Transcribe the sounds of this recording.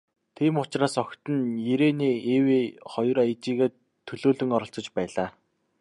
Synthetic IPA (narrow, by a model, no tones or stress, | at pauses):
t̪ʰiːmʊt͡ɕraːsɔkʲt̪ɘ̆njeɾeːniːeweːχɔj̆rajt͡ɕiːɣeː | t̪ʰːɵɮoːɮɵ̆ŋɔɾɞ̆ɬt͡sɞ̆t͡ɕpæːɮaː